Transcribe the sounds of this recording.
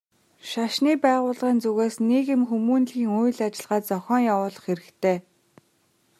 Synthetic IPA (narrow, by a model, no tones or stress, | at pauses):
ʃaʃniːpæːʁʊːɮʁiːnt͡suɣeːsneɣɪ̆mxumuːnɮɣiːŋuj̆ɮat͡ɕɪ̆ɮʁaːt̪t͡sɔxʲɔːŋjawʊːɮə̆χxeɾɘ̆kt̪ʰeː